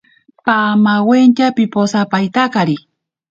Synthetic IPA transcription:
pamawent͡ʃapiposapajt̪akaɾi

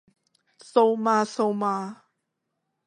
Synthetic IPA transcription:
sowmasowma

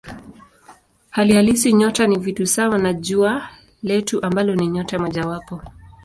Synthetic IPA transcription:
halihalisiɲɔtanivitusawanaʄua | lɛtuʔambalɔniɲɔtamɔʄawapɔ

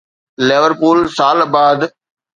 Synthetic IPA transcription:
leʋəɾpuːlsaːlbaːd̪

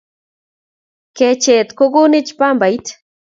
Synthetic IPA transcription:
ket͡ʃeːt̪koɡunit͡ʃpambajt̪

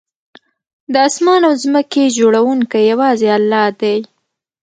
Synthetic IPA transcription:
d̪əɑsmɑnawzməked͡ʒoɽawuŋkajawɑzealːɑd̪aj

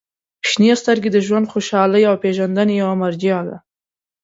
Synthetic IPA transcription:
pʃnijast̪əɾɡed̪əʒwand̪xoʃɑləjawpeʒand̪anejawamaɾd͡ʒijɑd̪a̰

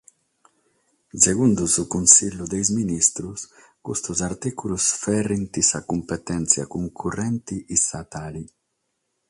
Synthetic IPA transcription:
seɣund̪uzukunsiʎud̪ejzminist̪ɾus | kṵst̪uzaɾt̪ikulusfɛrint̪isakumpet̪ɛnsja̰kuŋkʰurɛnt̪iʔisat̪ali

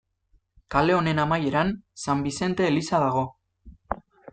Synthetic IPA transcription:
kale̞o̞ne̞namaje̞ɾansambise̞nt̪e̞ːlisaðaɣ̞o̞

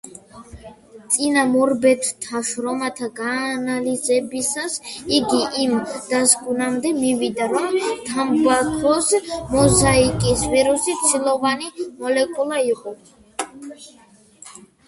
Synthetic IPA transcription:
t̪sʼinamɔɾbɛt̪t̪ʰaʃɾɔmat̪ʰaɡaːnalizɛbisasiɡiʔimd̪̥asɡunamd̪ɛmivid̪aɾɔmt̪ʰambvakʰɔsmɔzaikʼisviɾusit̪sʰilˠɔvanimɔlɛkʼulˠaiqʼɔ

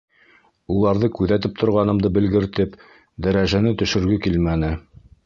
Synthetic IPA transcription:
ulˠɑɾðɤkʉðæt̪̬ɘp̚t̪ʰŏɾʁɑnɤ̆md̪ɤbɘ̆lɡɘ̆ɾt̪ɘp | d̪æɾæʒænɘt̪ɵ̆ʃɵ̆ɾɡɘkilmænɘ

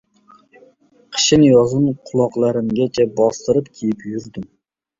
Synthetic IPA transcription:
qʰə̥ʃinjɑzɨnqʰʊlˠɑqlˠæɾɪmɡʲɛt͡ʃʰɛbɑst̪ɨɾɨpkʲʰejɪpjyɾd̪ɪm

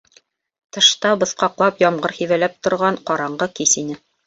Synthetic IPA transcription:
t̪ɤ̆ʃt̪ɑbɤ̆θqɑqlˠɑpjɒmʁɤɾhivælæp̚t̪ŏɾʁɑɴqɑɾɑɴɢɤkisinɘ

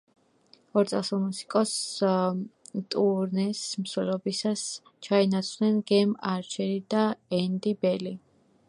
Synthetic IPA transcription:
ɔɾt̪sʼasulˠmusi̥kʼɔs | t̪ʼuɾnɛsmswɛlɔbisas | t͡ʃʰainat̪sʰχnɛnɡɛmaɾt͡ʃʰɛɾid̪aɛnd̪ibɛli

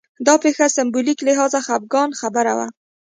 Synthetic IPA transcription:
d̪ɑpexasɪmbuliklɪɦɑzaxab̚ɡɑnxabəɾa̰wa̰

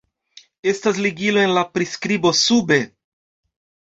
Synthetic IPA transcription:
e̞stas̬liɡilo̞e̞nlapɾiskɾibo̞sube̞

